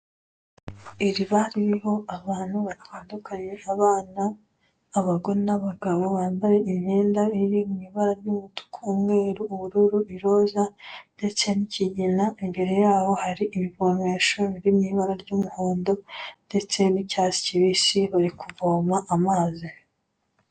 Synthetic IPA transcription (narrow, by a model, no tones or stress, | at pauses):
iɾiβaɾiiɦo̞aβaːn̥huβaɾiwaːndukʰaɲɲe̞ʔaβaːnaː | βaɡo̞ɾenaβaɡaβo̞βaːmbaɾe̞imeːndaiɾimiβaɾaɾɟumutu̥kʰuːmŋe̞ːɾuːβuɾuɾuiɾo̞ːzande̞t͡se̞niciɟinaimbe̞ɾe̞jaːho̞haɾiʔiβiβo̞meʃo̞βiɾimiβaɾaɾɟumuhoːndo̞nde̞t͡se̞nicaːzi̥ciβisiβaɾikuvoːmaʔamaːzi